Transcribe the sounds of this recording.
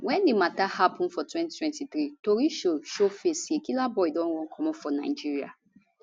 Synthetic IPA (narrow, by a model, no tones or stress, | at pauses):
wɛ̃ndematahapɔ̃nfɔtwɛ̃ntitwɛ̃ntiθɾitoɾiʃoʃofesiekilabɔɪdɔ̃nwɔ̃nkʰɔ̃mɔ̃fɔna̰ɪd͡ʒiɹia̰